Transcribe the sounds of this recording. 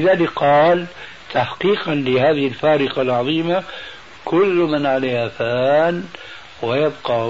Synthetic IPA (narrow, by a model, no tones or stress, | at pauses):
ɪðaːlɪkqɑːl | t̪ʰaħqiːqɑnlɪhaːðɪhɪlfaːɾɪqɑlʕɑðˤiːma | kʊlːmɪnʕalaːhafaːn | wɪjabqɑ